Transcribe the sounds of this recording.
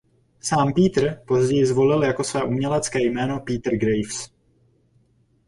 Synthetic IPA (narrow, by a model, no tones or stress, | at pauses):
saːmpiːt̪r̩po̞zɟɛjɪzvo̞lɪljako̞svɛːʔumɲɛlɛt͡skɛːjmɛːno̞piːt̪r̩ɡɾejfs